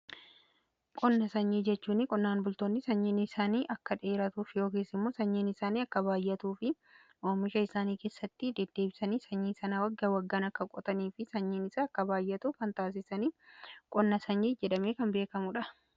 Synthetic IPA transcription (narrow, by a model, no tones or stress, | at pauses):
kʼɔnːɐsɐɲːiːd͡ʒɛt͡ʃːuːnɪkʼɔnːaːnbʊlt̪o̞ːnːɪsɐɲːiːnɪsaːniːʔɐkːɐᶑe̞ːɾɐt̪uːfɪjo̞ːkiːsɪmːoːsɐɲːiːnɪsaːniːɐkːɐbaːjʔːɐt̪uːfɪ | ʔoːmɪʃɐɪsaːniːke̞ːsːɐt̪ːɪd̪ɛd̪ːe̞ːbɪsɐniːsɐɲːiːsɐnɐwɐɡːɐwɐɡːaːnɐkːɐkʼɔt̪ʼɐniːfɪsɐɲːiːnɪsaɐkːɐbaːjːɐt̪uːkɐnt̪aːs̬ɪsɐniːkʼɔnːɐsɐɲːiːd͡ʒɛᶑɐmeːkɐnbe̞ːkɐmʊᶑɐ